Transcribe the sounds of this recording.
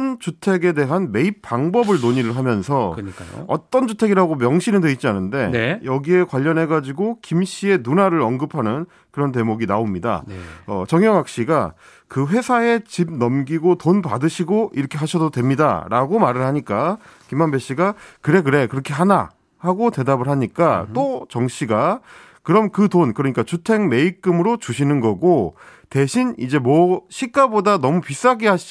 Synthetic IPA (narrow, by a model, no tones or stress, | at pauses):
nt͡ɕutʰe̞ɡe̞de̞ɦanme̞ip͈ʰaŋbʌbɯɭnoɲiɾɯɭɦamjʌnsʰʌkɯɲk͈a̰ʌ̰t͈ʌnd͡ʑutʰe̞ɡiɾaɡomjʌŋɕʰinɯndwe̞it̚t͡ɕ͈ianɯnde̞jʌɡie̞kwaʎːʌnɦe̞ɡad͡ʑiɡokimɕ͈ʰie̞nunaɾɯɾʌnɡɯpʰanɯn | kɯɾʌnt̬e̞moɡinaomɲida̰nʌ̰t͡ɕʌŋjʌŋak̚ɕ͈iɡa | kɯɸwe̞sʰae̞t͡ɕib̚nʌmɡiɡotonpadɯɕʰiɡoʔiɾʌkʰeɦaɕʰʌdodwe̞mɲida̰ɾa̰ɡomaɾɯɭhaɲik͈akimanbe̞ɕ͈ʰiɡakɯɾe̞kɯɾe̞kɯɾʌkʰe̞ɦana̰ | haɡote̞dabɯɭɦaɲik͈at͈ot͡ɕʌŋɕʰiɡa | kɯɾʌmkɯtonkɯɾʌɲik͈at͡ɕutʰe̞ŋme̞ik͈ɯmɯɾot͡ɕuɕʰinɯnɡʌɡote̞ɕʰinid͡ʑe̞mwʌɕʰik͈abodanʌmupis͈aɡeɦaɕʰ